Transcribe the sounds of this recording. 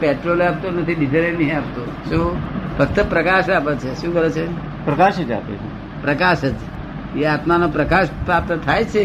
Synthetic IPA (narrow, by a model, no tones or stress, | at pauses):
peʈɾolap̚t̪onət̪ʰidid͡ʒəɾenəɦĩapt̪oʃũpʰəkt̪əpɾəkaʃapət͡ʃʰeʃũkəɾet͡ʃʰe | pɾəkaʃed͡ʒa̰pḛt͡ʃʰe | pɾəkaʃət̪ | eat̪manopɾəkaʃpɾap̚t̪ət̪ʰajt͡ʃʰe